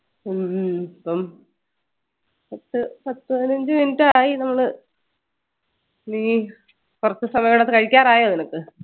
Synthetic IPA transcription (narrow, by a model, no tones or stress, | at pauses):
ɐpːɐm | pɐt̪ːɨpɐt̪ːɨɐðinɐɲd͡ʑɨminɨtːɨaːjinɐmːɐɭɨ | niː | kurɐt̪ːɨsɐmɐjɐɽɐðɨkɐɻikʲːaːɾaːjoːninokːɨ